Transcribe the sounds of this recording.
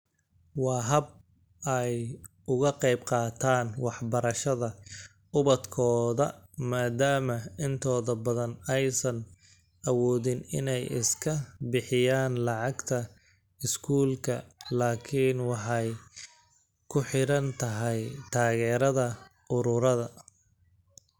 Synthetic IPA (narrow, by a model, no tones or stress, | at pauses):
wɑːɦɐb̚ | ɛj | ʊɣɐqɛjbqɑːt̪ʰaːnwɑħbɐɾɐʃɐðɐ | ʊβɐd̪kʰɔːðɐmaːd̪aːmɐɪnt̪ʰɔːðɐbɐðɐnɛjsɐn | ʔɐwɔːðɪnɪ̰nɛjɪ̰skʰɐbɪħɪjaːnlɑʕɑɡt̪ʰɐ | ɪskʰuːlkʰɐlaːkʰɪːnwɑħɑj | kʰʊħɪɾɐnt̪ʰɐɦɛjt̪ʰaːɣɛːɾɐðɐʔʊɾʊɾɐðɐ